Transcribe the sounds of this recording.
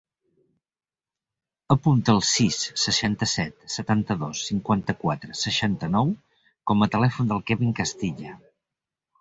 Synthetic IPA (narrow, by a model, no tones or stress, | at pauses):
əpunt̪əːlˠsisːəʃant̪əsɛt̪sət̪ant̪əðosːiŋkwant̪əkwat̪ɾəsəʃant̪ənɔw | kɔmət̪əlɛfund̪əlˠkɛβiŋkəst̪iʎə